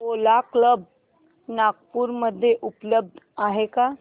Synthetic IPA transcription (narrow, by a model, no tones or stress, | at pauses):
olakləb | naɡ̚puɾməd̪ʱːjeʔupləb̚d̪ʱaɦeka